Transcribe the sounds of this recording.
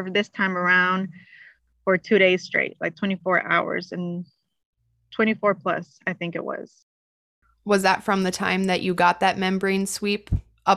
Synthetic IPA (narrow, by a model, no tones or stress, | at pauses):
və˞ðɪstʰãɪ̃mə˞ãʊ̃nd̥ | fə˞tʰʉɾeɪz̥stɹ̥ḛɪt̚laɪk̚tʰw̥ɛ̃ɾ̃ifɔɹʔa̰ʊə̰˞zɨ̃n | tʰw̥ɛ̃ɾ̃ifɔɹpʰl̥ʌ̰s | aɪθɪ̃ŋkɨ̰ʔ̚wʌ̰z̥ | wʌzðətfɹʌ̃mðɨtʰã̰ɪ̃mðɨt͡ʃɨɡɑt̪̚ðɨt̚mɛ̃mbə˞ĩnswip | ʔʌ